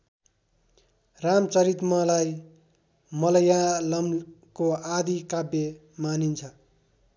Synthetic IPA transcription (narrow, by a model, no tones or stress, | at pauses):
ramt͡sʌɾit̪mʌlaj | mʌlʌjalʌmkoad̪ikabːe | manint͡sʰʌ